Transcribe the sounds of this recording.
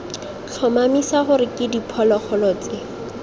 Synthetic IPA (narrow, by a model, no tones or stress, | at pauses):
t͡ɬʰɔmamisaχʊɾɪkʼɪdipʰɔlɔk͡xʰɔlɔːt͡sʼɪ